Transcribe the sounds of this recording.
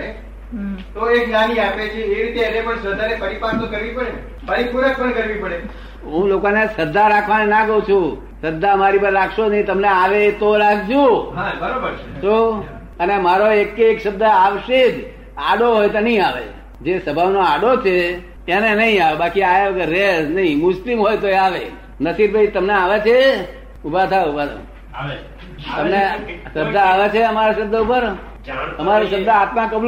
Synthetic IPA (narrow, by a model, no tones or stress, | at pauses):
e | t̪oeknaniapet͡ʃʰeeɾit̪eɛnepəɳsəɾd̪ʱanepəɾipast̪õkəɾʋipəɽe | pəɾipuɾək̚ʰpəɳkəɾʋipəɽe | ɦũlokonesəɾd̪ʱːaɾakʰʋanenakəũt͡ʃʰũ | səɾd̪ʱːamaɾipəɾːakʰʃonəĩt̪əmneaʋet̪olaɡd͡ʒũɦabəɾobəɾto | ənemaɾoekːkʃəbd̪əaʋʃed͡ʒ | aɖoɦojt̪enəɦĩaʋḛ | d͡ʒesəbʱaʋnoaɽot͡ʃʰe | enenəɦĩaʋebakiajaʋəɡəɾːesnəɦĩmʊslimɦojt̪oeaʋe | nəsiɾbʱait̪əmneaʋet͡ʃʰe | ubʱat̪ʰaubʱat̪ʰa̰ | t̪əmneʃəbd̪ʱəaʋet͡ʃʰeəmaɾaʃəb̚d̪əupəɾ | əmaɾaʃəbd̪ʱəat̪mãkəbl